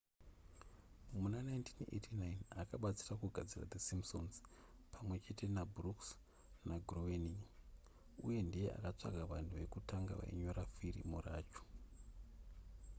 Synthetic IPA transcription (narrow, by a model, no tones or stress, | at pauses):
munanajintʰinḛtʰinajnakaɓat͡sirakuɡʱad͡zira̰d̪esimbsonz | pʰamwe̞t͡ʃe̞te̞nabruks | naɡʱroweni | ṵje̞ndije̞a̰kat͡ʂa̰ɡʱaʋantʰuʋe̞kutaŋɡa̰ʋa̰ḭɲoɾafirḭmura̰ːt͡ʃo̥